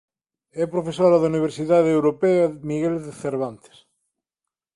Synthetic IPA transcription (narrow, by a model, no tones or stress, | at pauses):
ɛpɾofesoɾaðuniβ̞eɾsiðaðewɾopeamiɣelðeθeɾβant̪e̥s